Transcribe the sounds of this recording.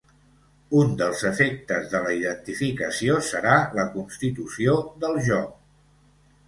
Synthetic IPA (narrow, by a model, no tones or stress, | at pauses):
und̪əlˠzəfek̚t̪əzðələiðənt̪ifikəsiosəɾaləkunst̪it̪usioðəlˠʒɔk̚